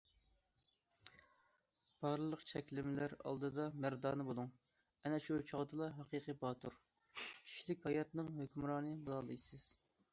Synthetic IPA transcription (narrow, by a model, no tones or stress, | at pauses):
b̥ɑɾlˠɨlˠəqt͡ʃʰɛkʲlɪmɪlæɾɑ̰lˠd̪ɨd̪ɑmæɾd̪ɑːnɨbolˠuŋ | ɛnɛʃut͡ʃʰɑʁd̪ɨlˠɑɦɑqʰiqʰəbɑːt̪ʰuɾ | kʲʰi̥ʃilɪkʲhɑjɑt̪nɨŋhøkʲymɾɑːnɨbɨlˠɑlˠɨjsɨz̥